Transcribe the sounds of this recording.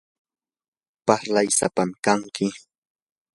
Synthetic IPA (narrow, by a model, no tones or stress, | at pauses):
paɾlajsapamkaŋkɪ